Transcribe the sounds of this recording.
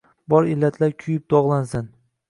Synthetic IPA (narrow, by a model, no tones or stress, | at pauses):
bɒɾɪlːat̪ʰlaɾkʲʰʊjɪp̚d̪ɒʁlˠansɪn